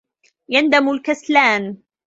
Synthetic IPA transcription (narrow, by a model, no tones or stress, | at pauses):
jand̪amʊlkaslaːn